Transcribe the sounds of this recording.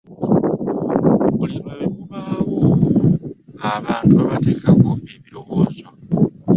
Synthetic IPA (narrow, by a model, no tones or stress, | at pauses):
βulimukuβawo | aβaːntuaβate̞ːkako̞eβiɾo̞woːzo